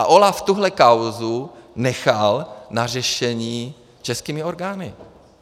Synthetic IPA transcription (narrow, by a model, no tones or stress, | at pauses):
aʔo̞laft̪uɦlɛkawzunɛxalnar̝ɛʃɛɲiː | t͡ʃɛskiːmɪo̞ɾɡaːnɪ